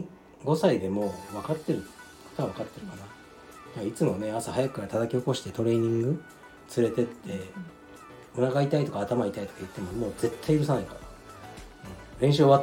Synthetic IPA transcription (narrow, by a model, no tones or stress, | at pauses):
ɡo̞said̪e̞mo̞ːβakat̪ːe̞ɾɯ̟ | ko̥t̪oaβ̞akat̪ːe̞ɾɯ̟kana | ait͡sɨmo̞ne̞asahajakɯ̟̥kaɾat̪at̪akʲio̞ko̞ɕi̥t̪e̞̥t̪o̞ɾe̞ːɲ̟ĩŋɡɯ̟ | t͡sɨɾe̞t̪e̞t̪ʰːe̞ | o̟naɡait̪ait̪o̞kaːt̪amait̪ait̪o̞̥kajɯ̟t̪ːe̞mo̞mo̞ːd͡ze̞t̪ːaiɾɯ̟s̬anaikaɾa | ɯ̟̃ɴɾẽ̞ɰ̃ɕ̬ɨoβa